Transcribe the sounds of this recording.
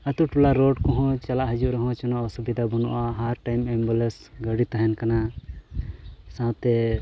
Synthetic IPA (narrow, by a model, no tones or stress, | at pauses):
ət̪uʈulaɾɔɖkɔ̃ɦɔ̃t͡ʃalaʔɦəd͡ʒuʔɾɛɦɔ̃t͡ʃɔnɔʔaɔsubid̪ʱabɔnɔʔaɦaɾʈajmɛmbulɛs | ɡəɽit̪aɦɛnkana | sãt̪ɛ